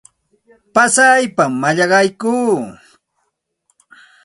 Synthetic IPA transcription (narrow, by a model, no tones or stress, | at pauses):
pasajpamːaʎɑɢɑjkuː